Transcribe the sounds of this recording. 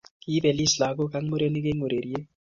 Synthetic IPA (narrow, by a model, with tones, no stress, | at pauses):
ki˦bɛ˨li˦˨sla˨˦k̬ɔ˦ka˦ŋ˦mu˦ɾe˦ni˦k̬e˦ŋu˨ɾe˨ɾi˦e˦